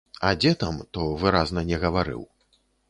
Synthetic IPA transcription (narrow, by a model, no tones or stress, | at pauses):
ad͡zʲɛt̪amt̪ɔvɨɾaznɐnʲɛɣɐvaɾɨ̰w